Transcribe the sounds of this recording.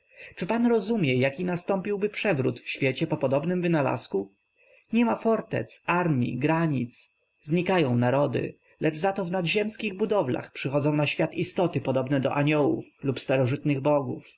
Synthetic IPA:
t͡ʂɘpanɾɔzumʲjɛjakʲinast̪ɔmpʲiwbɘpʂɛvɾṵt̪fɕfʲjɛt͡ɕɛpɔpɔd̪ɔbnɘmvɘnala̰sku | ɲɛmafɔɾt̪ɛ̰t̪saɾmʲjḭɡɾaɲit̪s | zɲikajɔ̃w̃naɾɔd̪ɘ̰ | lʔɛʐzat̪ɔvnad̪ʑɛmskʲiɣbud̪ɔvla̰xpʂɘxɔd̪zɔ̃w̃naɕfʲjat̪ist̪ɔt̪ɘpɔd̪ɔbnɛd̪ɔ̰ʔaɲɔwṵflupst̪aɾɔʐɘt̪nɘɣbɔɡuf

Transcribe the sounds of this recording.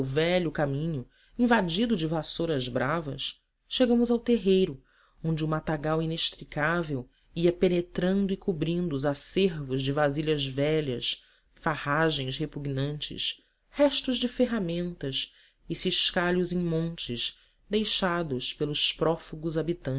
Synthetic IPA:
wvɛʎʊkamĩɲʊ | ĩvad͡ʒid̪ʊd͡ʒɪvasoɾɐzbɾavɐsː | eɡɐ̃mʊzawt̪eɦejɾʊ | õnd͡ʒɪumat̪aɡawineʃt̪ɾikavew | iɐpenet̪ɾɐ̃nd̪ʊɪkubɾĩnd̪ʊːzaseɾvʊzd͡ʒɪvaziʎɐzvɛʎɐs | fahaʒẽj̃shepuɡnɐ̃nt͡ʃɪ̰s | hɛʃt̪ʊʒd͡ʒɪfeɦamẽnt̪ɐs | ɪsiʃkaʎʊzẽj̃mõnt͡ʃɪʃ | d̪ejʃad̪ʊspelʊspɾɔfuɡʊzabit̪ɐ̃t͡ʃ

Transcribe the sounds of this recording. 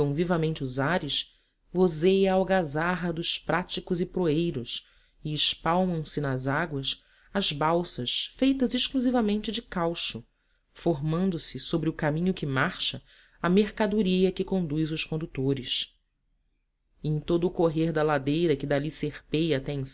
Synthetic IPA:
ɐ̃w̃vivɐmẽnt͡ʃɪuzaɾɪʃ | vozejɐawɡazaɦɐd̪ʊʃpɾat͡ʃikʊzɪpɾoejɾʊs | ɪɪʃpawmɐ̃w̃sɪnɐzaɡwɐs | ɐzbawsɐʃfejt̪ɐzɪʃkluzivɐmẽnt͡ʃɪd͡ʒɪkawʃʊ | foɦmɐ̃nd̪ʊsɪsobɾɪʊkamĩɲʊkɪmaχʃɐ | ɐmeχkad̪uɾiɐkɪkõnd̪ujzʊʃkõnd̪ut̪oɾɪs | ẽj̃t̪od̪ʊːkoɦeɾd̪ɐlad̪ejɾɐkɪd̪aliseχpejat̪ɛẽs

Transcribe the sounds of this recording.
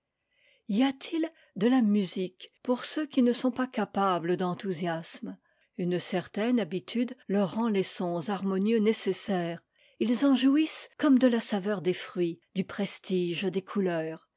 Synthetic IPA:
iat̪ʰil | d̪əlamyzikpuʁsøkʲinəsɔ̃pakapabləd̪ɑ̃t̪uzjasm | ynsɛʁt̪ɛnabit̪ʰyd̪lœʁːɑ̃lesɔ̃zaʁmɔnjønesesɛːʁ | ilzɑ̃ʒuiskɔmd̪əlasavœʁd̪efχɥid̪ypχɛst̪iʒd̪ekʰulœːʁ

